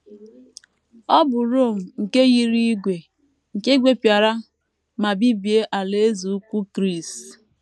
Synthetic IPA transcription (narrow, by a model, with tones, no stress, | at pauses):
ɔ˦bʊ˨ɾo˦˨m̩˨ŋ̩˨ke˦ɣi˦ɾi˦i˦ɡʷe˨ | ŋ̩˨ke˦ɡʷe˦pja˨ɾa˦ | ma˨bi˦bi˨e˦ʔa˨le˦zu˨˦kʷu˦kɾi˦˨s